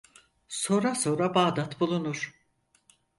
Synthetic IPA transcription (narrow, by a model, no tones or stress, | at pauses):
so̞ːnɾaso̞ːɾabaːd̪at̪bulˠunuɾ̥